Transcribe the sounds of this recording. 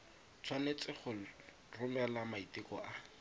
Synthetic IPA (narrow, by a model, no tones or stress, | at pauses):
t͡sʰwanet͡sɪχʊ | rʊmɛlamaitɪkɔʔa